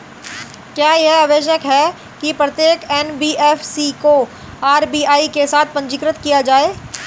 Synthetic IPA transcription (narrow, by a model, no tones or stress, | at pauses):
kjaːjeɦaːʋeːʃ̬əkɦɛ | kipɾɐt̪jeːkɛnbiːʔɛfʰsiko | aːɾbiːaːikesaːt̪̚ʰpɐ̃ɲt͡ʃɪkɾət̪kijad͡ʒaːeː